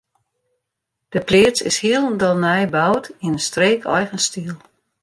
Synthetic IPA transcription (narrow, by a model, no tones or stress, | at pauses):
d̥əplɪət͡sɪ̰shiəlˠəndɔlˠnɛjbawtinəstreːkʰɔ̰jɣənstiəlˠ